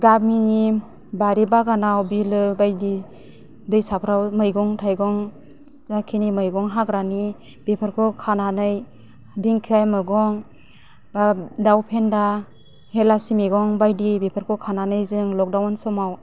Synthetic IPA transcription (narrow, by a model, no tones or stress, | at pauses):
ɡab̚mini | baɾibaɡanawbilɯbajdi | dɯjsapʰɾawmɯjɡɔŋtʰajɡɔŋ | zakʰinimɯjɡɔŋɦakɾani | b̥epʰaɾkʰɔkʰananɯj | diŋkʰiajmɯɡɔŋ | badawpʰenda | helasimeɡɔŋbajdibepʰaɾkʰɔkʰananɯjzɯŋlɔk̚dawansɔmaw